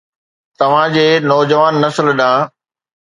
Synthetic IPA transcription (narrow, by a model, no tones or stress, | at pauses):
t̪ɐʋ̤ãd͡ʑeːnɔːd͡ʑəʋaːnːɐsəlɗãː